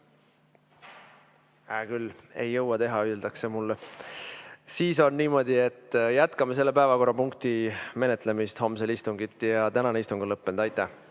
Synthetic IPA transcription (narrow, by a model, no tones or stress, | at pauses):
ækylːe̞jːɤwɑt̪e̞ɦɑyeld̪̥ɑksemulːe | siːso̞nniːmo̞d̪̥ʲie̞t̪ːjæt̪kɑmes̬e̞lːepæevɑko̞rːɑpuŋk̚t̪ime̞ne̞t̪ːˑle̞mist̪ho̞mselist̪uŋɡit̪ːˑjɑt̪ænɑneist̪uŋɡ̥ulɤpːend̪̥ɑjt̪ːˑæh